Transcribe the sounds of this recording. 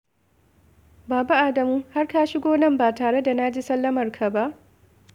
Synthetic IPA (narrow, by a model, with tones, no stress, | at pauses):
baː˨ba˦ʔa˨dɐ˨muː˦ha˦rkaː˦ʃɪ˦ɡʷoː˦nɐ˦˨mbaː˨taː˨ɽe˦da˨naː˦d͡ʒiː˦sɐ˦lːɐ˦mɐ˨rkʰa˨ba˦ʔ